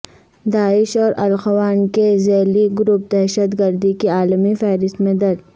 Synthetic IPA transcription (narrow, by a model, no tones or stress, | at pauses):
d̪aːɪʃɔːɾɐlxɐwaːnkezɛːliɡʊɾup̚d̪ɛɦʃət̪ɡɐɾd̪ikiaːlmifɛːɾɪst̪mẽd̪ɐɾ